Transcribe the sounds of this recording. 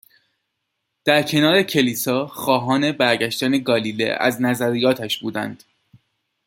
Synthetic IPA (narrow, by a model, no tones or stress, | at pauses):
d̪̥æɾcʰe̞nɒːɾe̞cʰe̞liːsɒːxɒːɦɒːne̞bæɾɟæʃt̪æneɡɒːliːlḛʔæ̰znæzæɾijɒːt̪ʰæʃb̥uːd̪æ̰nd̪̥